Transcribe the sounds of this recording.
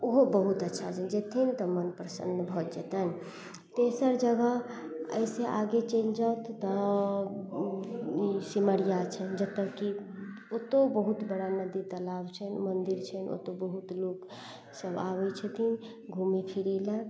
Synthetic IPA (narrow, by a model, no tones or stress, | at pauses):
oɦobəɦut̪ətːʃʰad͡ʒənd͡ʒet̪ʰint̪ɔmənpɾəsə̰nd̪bʱɔd͡ʒet̪ən | t̪esəɾd͡ʒəɡəɦ | ə̰jseʔaɡet͡ʃẽnd͡ʒawt̪ʰːɔ | isiməɽijat͡ʃʰɛnd͡ʒət̪ːəkkːi | ot̪obəɦut̪bəɽanəd̪it̪əlabt͡ʃʰɛnmənd̪iɾt͡ʃʰɛno̰t̪obəɦut̪lok | səbaʋɛt͡ʃʰət̪ʰin | ɡʱumipʰiɾilə